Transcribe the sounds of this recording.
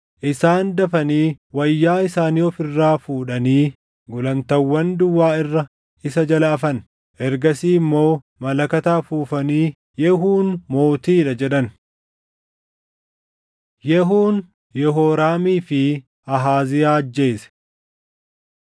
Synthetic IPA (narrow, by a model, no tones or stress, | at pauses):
ʔɪsaːnd̪ɐfɐniːwɐjːaːɪsaːniːɔfɪrːaːfuːᶑɐniː | ɡʊlɐnt̪ɐwːɐnd̪ʊwːaːɪrːɐ | ɪsɐd͡ʒɐlɐːfɐn | ʔɛɾɡɐsiːmːo̞ː | mɐlɐkɐt̪aːfuːfɐniː | jɛɦuːnmo̞ːt̪iːᶑɐd͡ʒɛɗɐn | jɛɦuːn | jɛɦoːɾaːmiːfɪ | ɐɦaːzɪjaːɐd͡ʒːe̞ːsɛ̥